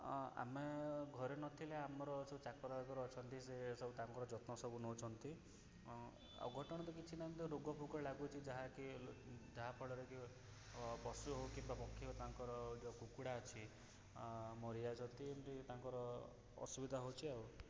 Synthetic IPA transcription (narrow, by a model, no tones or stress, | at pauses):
a̰meɡʱɔɾenɔt̪ʰileamɔɾɔsɔut͡ʃakɔɾaɡɔɾɔɔt͡ʃʰɔnt̪isesɔbut̪aŋkɔɾɔd͡ʒɔt̪nɔsɔbunɔt͡ʃʰɔnt̪i | ɔ̰ɡʱɔʈɔɽ̃ɔt̪ɔkit͡ʃʰinamt̪eɾoɡɔbʰʱukɔɾelaɡut͡ʃʰid͡ʒaɦakid͡ʒaɦapʰɔɭɔɾeki | bɔsuɦowkimbapɔkʰːjɔt̪aŋkɔɾɔd͡ʒɔkukuɽaɔt͡ʃʰi | mɔɾid͡ʒat͡ʃʰɔnt̪int̪it̪aŋkɔɾɔ | ɔ̰subid̪ʱaɦowt͡ʃʰiaw